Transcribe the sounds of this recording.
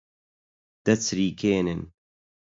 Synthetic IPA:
d̪̥ɐt͡sɾiːkʰeːnɨn

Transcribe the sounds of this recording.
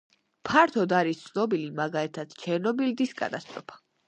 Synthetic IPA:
pʰaɾt̪ʰɔd̪aɾist̪sʰnɔbilimaɡalit̪ʰad̪̥t͡ʃʰɛɾnɔbild̪iskʼa̰t̪ʼast̪ʼɾɔpʰḁ

